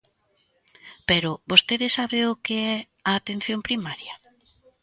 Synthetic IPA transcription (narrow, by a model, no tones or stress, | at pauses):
peɾʊβost̪eðɪsaβeʊkeɛ | aːt̪en̟θjompɾimaɾjɐ